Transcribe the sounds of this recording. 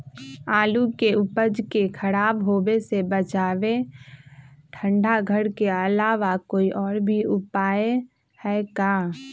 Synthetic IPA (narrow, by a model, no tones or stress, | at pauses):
aːlukeʊpəd͡ʒkekʰəɾaːbɦoːbesebət͡ʃaːʋe | ʈʰə̃ɳɖʱaɡʱəɽkeəlaːʋakoːiʔɔːɾbʱiʊpaːe | hɛːkaː